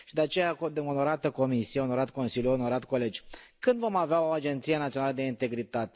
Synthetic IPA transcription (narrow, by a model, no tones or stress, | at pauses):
ʃid̪eat͡ʃe̞jakod̪ɨnono̞ɾat̪əko̞misijeono̞ɾat̪ko̞nsilʲjuono̞ɾat̪ko̞le̞d͡ʒʲkɨnd̪vo̞maveaoad͡ʒe̞nt̪sijenat̪ionaləd̪e̞int̪e̞ɡɾit̪at̪e